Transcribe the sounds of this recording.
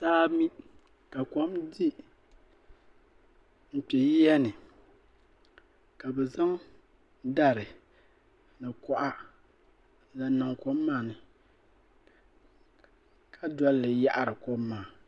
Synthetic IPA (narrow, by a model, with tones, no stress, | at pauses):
taː˦mi˦ | ka˨kɔ˦mdi˦ | m̩˨pɛ˨ji˦jɛ˦nɨ˨ | ka˨bɛ˨za˦ŋ | da˦ɾɨ˨ | nɨ˨kɔ˦ʔa˦ | la˨na˨ŋko˦mː˦aː˨nɨ˨ | kʰa˦dɔ˦lːɨ˨ja˦ʔa˦ɾɨ˨ko˦mːaː˨